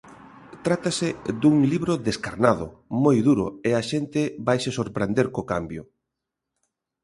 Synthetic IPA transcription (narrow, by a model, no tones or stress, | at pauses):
t̪ɾat̪asɪd̪uŋliβɾoðeskaɾnaðʊ̰mojðuɾʊeaʃent̪ɪβajsesoɾpɾend̪eɾkokambjʊ